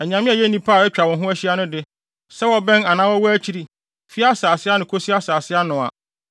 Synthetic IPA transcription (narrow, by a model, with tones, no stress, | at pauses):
æ˨ɲã˨mɪ̃˦˨jɛ˦nĩ˦pʰaː˦˨ɛ˦t͡ɕᶣa˨wɔ̃˨ɦʊ̃˦æ˦ɕi˦a˦nʊ̃˦dɪ˦ | sɛ˦wɔ˦bɛ̃˦na˨nã˦wɔ˦wɔ˦æ˦t͡ɕʰi˨ɾi˨ | fi˦a˦saː˨sɪ˦a˦nʊ̃˨kʰo˦si˦a˦saː˨sɪ˦a˦nʊ̃˨a̰˨